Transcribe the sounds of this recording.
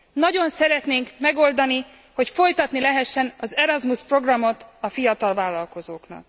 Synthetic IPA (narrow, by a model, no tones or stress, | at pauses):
nɒɟo̞nsɛɾɛt̪neːŋkmɛɡo̞ld̪ɒni | ho̞cfo̞jt̪ɒt̪nilɛɦɛʃːɛnɒzɛɾɒzmuspro̞ɡrɒmo̞t̪ɒfijɒt̪ɒlvaːlːɒlko̞zoːknɒ̰k̚